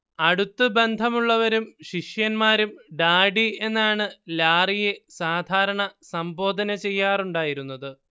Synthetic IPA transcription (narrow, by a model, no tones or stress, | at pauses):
ɐɽut̪ːɨbe̞nd̪ʱɐmuɭːɐʋɐɾumɕiʂjɐnmaːɾumɖaːɖie̞nːaːɳɨlaːrijesaːd̪ʱaːɾɐɳɐsɐmbo̞ːd̪ʱɐnɐt͡ɕe̞jːaːruɳɖaːjiɾun̪ːɐðɨ